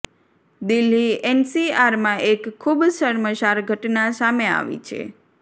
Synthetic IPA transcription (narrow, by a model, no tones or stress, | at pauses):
d̪ilːiɛnsiaɾmãʔekʰːubsəɾməʃaɾɡʱəʈnasamea̰ʋḭt͡ʃʰḛ